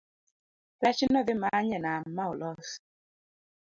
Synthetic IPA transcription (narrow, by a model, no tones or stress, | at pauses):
pɛt͡ʃinɔðimaɲɛnammaolɔs